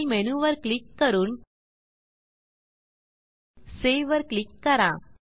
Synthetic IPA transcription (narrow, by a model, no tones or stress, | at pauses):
mɛnuʋɐɾklɪkːɐɾun | seːʋɐɾklɪkːɐɾã̰ː